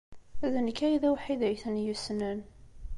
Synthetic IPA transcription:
æðənkːæjðæwħiðæjθənjusnən

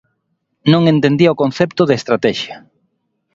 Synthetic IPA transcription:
nõŋent̪end̪iɐokon̟θɛpt̪ʊðest̪ɾat̪ɛʃjɐ

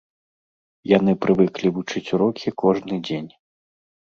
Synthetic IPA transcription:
janɨpɾɨvɨklʲivut͡ʂɨt͡sʲuɾɔkʲʰikɔʐnɨd͡zʲenʲ

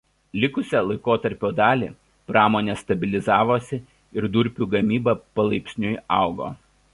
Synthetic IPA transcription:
lʲɪkʊsʲɛlˠɐɪkoːt̪ɐɾʲpʲoːd̪ɑːlʲḭː | pɾɑːmoːnʲeːst̪ɐbʲɪlʲɪzɑːʋoːsʲɪ | ɪɾd̪ʊɾʲpʲuːɡɐmʲiːbɐpɐlˠɐɪpʲsʲnʲʊɪɑ̰ˑʊɡo̰ː

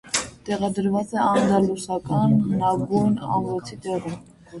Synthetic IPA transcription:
t̪ɛʁɑd̪əɾvɑt͡sɛɑnd̪ɑlusɑkɑnhənɑɡujnɑ̰mvɔt͡sʰit̪ɛʁə

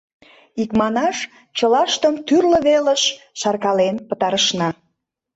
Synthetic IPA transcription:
ikmɑnɑʃ | t͡ɕəlɑʃt̪əmt̪yrlə̆βeləʃ | ʃɑrkɑlenpə̆t̪ɑɾəʃnɑ

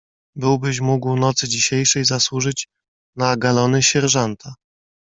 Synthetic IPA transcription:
bɘwbɘɕ̬muɡwnɔt̪sɘd͡ʑiɕejʂɛjzaswuʐɘt͡ɕ | naɡalɔnɘɕɛɾʐɔnt̪ʰa

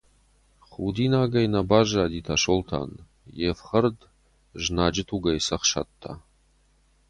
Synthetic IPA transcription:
χud̪inaːɡajnabaʒaːd̪itʰaʂoltʰa̰n | jefχərd | ʒnaːd͡ʒɪtʰuɡajsɐχʂa̰t̪ʰːa̰

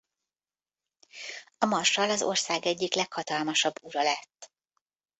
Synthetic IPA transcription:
ɒmɒrʃɒlɒzo̞̰rsaːɡɛɟːiklɛkhɒt̪ɒlmɒʃɒbːuɾɒlɛt̪ː

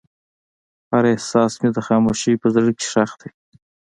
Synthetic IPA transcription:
haɾehsɑːsmed̪əxɑːmoʃepəzəɽkɪ̥ʂaxd̪ej

